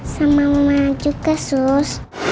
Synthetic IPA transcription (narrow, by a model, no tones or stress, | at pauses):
samamumad͡ʒukasus